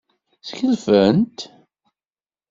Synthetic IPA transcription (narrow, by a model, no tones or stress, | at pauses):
sçəlfənt̪